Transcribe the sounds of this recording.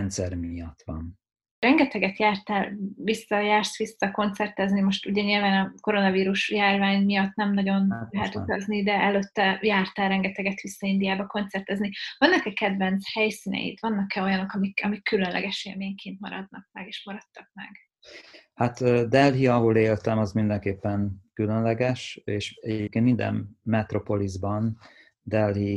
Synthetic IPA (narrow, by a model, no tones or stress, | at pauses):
nt̪sɛ̰ɾmiɒt̪ʋɒ̰n | rɛŋɡɛt̪ɛɡɛt̪jaːrt̪aːlvisːɒjaːrsʋisːɒko̞nt̪sɛrt̪ɛznimo̞ʃt̪uɟɛɲilvaːnɒko̞ɾo̞nɒviːɾuʃjaːrvaːɲmijɒt̪ːnɛmnɒɟo̞nlɛɦɛt̪ut̪ɒznid̪ɛʔɛløt̪ːɛjaːrt̪aːlɾɛŋɡɛt̪ɛɡɛt̪ʋisːɒind̪ijaːbɒko̞nt̪sɛrt̪ɛznivɒnːɒkɛkɛd̪vɛnt̪shɛjsinɛ̰jḭt̪vɒnːɒkɛo̞jɒno̞kɒmikɒmikːylønlʔɛ̰ɡɛʃeːrmeːɲkʰeːnt̪mɒ̰ɾɒd̪nɒk̚mɛɡeːʃmɒɾɒt̪ːɒk̚mɛ̰ɡ̥ | hat̪ːd̪ɛlɦiɒɦoleːlt̪ɛmɒzmind̪ɛŋkeːpːɛnkylønlɛɡɛʃeːʃɛɟep̚keːnmind̪ɛ̰mmɛt̪ɾopo̞lizbɒn | d̪ɛlɦi